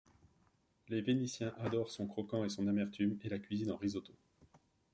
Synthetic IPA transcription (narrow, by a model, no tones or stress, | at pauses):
levenisjɛ̃ʔad̪ɔʁsɔ̃kχɔkɑ̃esɔ̃namɛʁt̪ymelakʲɥizinɑ̃ʁizot̪o